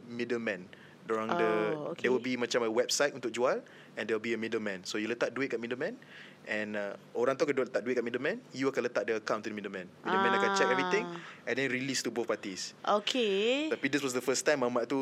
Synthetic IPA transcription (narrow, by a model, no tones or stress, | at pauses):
midəlmɛ̃n | duɹãŋdədɛwilbimãt͡ʃãməwɛpsajt̚ũnt̪uk̚d͡ʒual | ɛ̃ndɛwilbiəmidəlmɛ̃nsojulət̪aʔ̚duwet̚kɛt̚midəlmɛ̃n | ʔɛ̃noɾãŋt̪ɔkɛ̃dlət̪aʔ̚duet̚kɛtmidəlmɛ̃njuəkãnlət̪aʔt̚dəəkãw̃nt̪ːudəmidəlmɛ̃nmidəlmɛ̃nakãt͡ʃɛkɛvɹit̪ɪ̃ŋɛ̃ndɛ̃nɹilistuboθ̚pat̪isʔokʰeapidəswɔsdəfəstãj̃mːamãʔt̪u